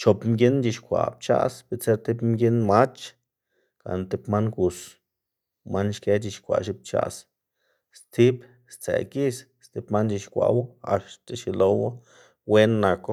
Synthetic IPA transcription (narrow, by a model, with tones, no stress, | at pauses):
t͡ʃo˨pmɡʲi˦nd͡ʒi˧ʃkʷa̰˨p̚t͡ʃa̰˦sbi˧˨t͡se˦ɾt̪i˦pmɡʲi˦nma˦t͡ʃ | ka̰˨n˧t̪i˧pma˦nɡu˨s | ma˦nʃke˦t͡ʃi˧ʃkʷa̰˨ʔʃi˧˦p̚t͡ʃa̰˧s | st̪i˦b | st͡sḛ˨ki˦s | st̪i˧˦pma˦nd͡ʒi˧ʃkʷa̰˧˨wo˦a̰˨ʃt̪e˧˨ʃi˧lo˧wo˦ | we˦nːa˨ko˦